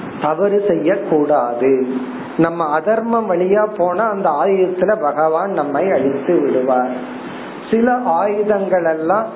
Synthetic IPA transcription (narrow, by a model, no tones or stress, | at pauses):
t̪ɐʋɐɾɯsɛjːɐkːuːɽaːðɯ | nɐmːɐːðɐɾmɐmʋɐɭɪjaːpoːnɐːnd̪ɐaːjɯjɐt̪ːɪlɐbɐɣɐʋaːnnɐmːɐɪɐɻɪt̪ːɯʋɪɽɯʋaːɾ | sɪlɐʔaːjɯðɐŋɡɐɭɛlːãː